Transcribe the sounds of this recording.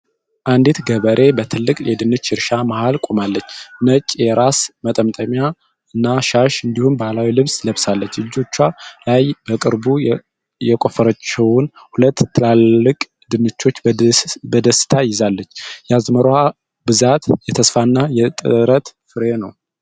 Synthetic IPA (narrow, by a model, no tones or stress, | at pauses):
ʔand̪it̪ɡəβəɾʔe̞bət̪ʰɨlːɨkʼjɛd̪ɨnɨt͡ʃːɪɾʃamahalkʼomalːət͡ʃːnət͡ʃʼːjɛɾasmət̪ʼəmt̪ʼəmja | ɨnːaʃaʃɨnd̪ihumbahlawilɨβsləβsalːət͡ʃːɨd͡ʒːo̞t͡ʃːalajb̥əkʼɨɾbu | jɛkʼo̞fəɾət͡ʃːɛwʊn | hulət̪ːɨlalːɨkʼ | d̪ɨnɨt͡ʃːo̞t͡ʃːbbəd̪əsɨ̥t̪ʰajɪzalːət͡ʃːjɛazməɾoa | bɨzat̪jɛt̪ʰəsfanːajɛt̪ʼɨ̰ɾət̪fɨɾenəw